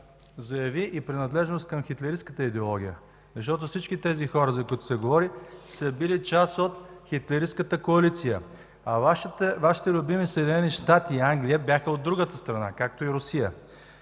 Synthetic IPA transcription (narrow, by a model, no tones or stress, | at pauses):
zɐjɐviʔipɾinɐd̪lɛʒnost̪̚kɐmxit̪lɛɾiskət̪əid̪ɛolˠɔɡ̟ʲijə̰ | zɐʃt̪ɔt̪ʊfsit͡ʃkit̪ɛzixɔɾəzɐkʊit̪ʊ̥sɛɡovɔɾisəbilit͡ʃasot̪xit̪lɛɾiskət̪əkoɐlit̪sijə | ɐvaʃt̪vaʃi̥t̪ɛlʲʊbimisəɛd̪inɛniʃt̪at̪iːaŋɡlʲiəbjaxəod̪ːɾuɡət̪əst̪ɾɐnakak̚t̪oiɾʊsijə